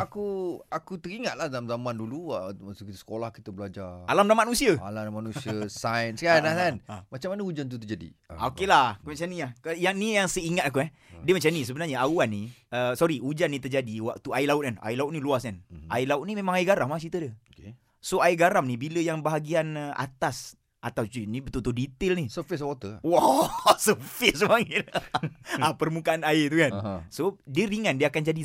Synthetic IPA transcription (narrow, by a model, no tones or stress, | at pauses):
akuakut̪əɾiŋat̪̚lahdalamzamãnduluamasukit̪əsə̥kolahkit̪əbəlad͡ʒaralamdamanusiaa̰ladamanusiasajənskanakanmat͡ʃamːanəud͡ʒant̪̬ut̪ərd͡ʒadḭokelahkumat͡ʃamniahkajaŋnijaŋsəiŋat̪̚ak̬uɛh | diəmat͡ʃamnis̬əbənarɲaauanːiəsɔɾiud͡ʒanːit̪ərd͡ʒadiwak̚t̪uailaʊt̪̚kana̰ilaʊt̪̚niluaskana̰ilaʊt̪̚nimemaŋaiɡaɾamat͡ʃit̪ədək | soaiɡaɾamnibiləjaŋbaɦaɡianəa̰t̪as | ʔat̪awt͡ʃinibət̪ult̪uldit̪ɪlnisəfis̬ot̪əwasəfisəmaŋi | apərmukaanait̪ukansodəɾiŋandiəakand͡ʒadi